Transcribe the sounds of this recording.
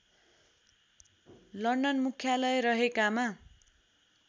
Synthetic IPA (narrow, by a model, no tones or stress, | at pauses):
lʌɳɖʌnmukʰjalʌjrʌɦekama